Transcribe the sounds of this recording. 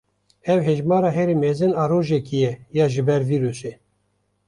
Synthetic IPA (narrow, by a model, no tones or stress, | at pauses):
ɛwɦɛʒmɑːɾɑːɦɛɾimɛzɨnɑːɾoːʒɛkijɛjɑːʒɨbɛɾviːɾuse